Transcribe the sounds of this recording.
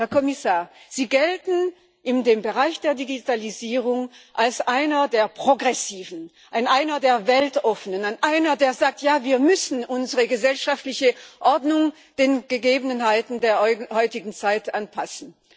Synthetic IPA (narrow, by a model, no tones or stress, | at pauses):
hɛɐkʰɔmɪsaːɐz̥iːɡɛltn̩ | ʔɪndeːmbəʁaɪçd̥eːɐdiɡitʰaliziːʁ̞ʊŋʔalsʔaɪnɐdeːɐpʁ̥oɡʁɛsiːvn̩ | ʔaɪnʔaɪnɐdeːɐvɛltʔɔfənənanʔaɪnɐdeːɐzaːk̚tjaːviːɐmʏsn̩ʔʊnzəʁəɡəzɛlʃaftlɪçəʔɔɐdnʊŋ | d̥eːnɡ̥əɡeːbn̩ɦaɪtn̩deːɐhɔʏtɪɡŋ̩t͡saɪtʔanpʰasn̩